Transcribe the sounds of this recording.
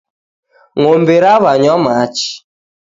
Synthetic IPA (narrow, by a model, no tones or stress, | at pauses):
ŋombeɾaβaɲɔmat͡ʃi̥